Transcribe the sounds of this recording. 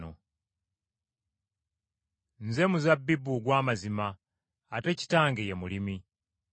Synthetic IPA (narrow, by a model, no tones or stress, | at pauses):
o̰ | nze̞muzabːibːuɡwaːmazimaː | te̞ci̥taːŋɡejemulimi